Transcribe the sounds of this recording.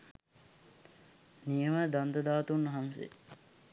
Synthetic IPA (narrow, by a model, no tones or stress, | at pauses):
nijəməd̪and̪əd̪aːt̪unːɐɦansḛ